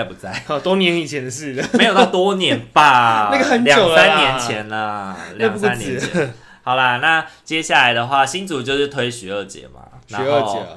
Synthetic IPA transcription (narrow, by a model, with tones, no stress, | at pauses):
ɪpu˨˩t͡sa˥˩ɪɔ˧t̪wɔ˥njɛ˧˥ni˨˩t͡ɕʰjɛ˨˦nd̪ə˧ʂɻ̩˥˩ə˩me˥jt̪ɑ˥˩ʊt̪wɔ˥njɛ˧˦npa˥˩na˥˩ɡə˧xə˧˦nljɑ˨jo˨ŋʊssa˦nːjɛ˨˧˦t͡ɕʰjɛ˨˦nlə˧ljŋ˥sa˦njɛ˦˨˩ɛ˦ | xɑ˨˩ʊlə˧na˥˩t͡ɕjɛ˦˥ɕja˥˩la˨˦ɪd̪ə˨xwa˥˨ɕi˥nt͡su˨˩t͡ɕjo˥˧ʊʂɻ̩˥˩t̪ʰwe˥ɪɕɛ˧˦ə˥˩t͡ɕjɛ̰˨˦ma̰˩na˧˦˧o˥˩˥ʊjɛ˧˦